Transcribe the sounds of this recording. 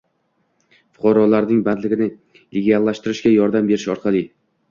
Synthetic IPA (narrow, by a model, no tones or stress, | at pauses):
fʊ̥qʰɑɾɒlaɾnɪŋbad̪lɪɡʲɪnɪ | lʲɪɡʲealˠːaʃt̪ɪɾɪʃɡʲajɒɾd̪ambe̞ɾɪʃɒɾqʰɑlˠɪ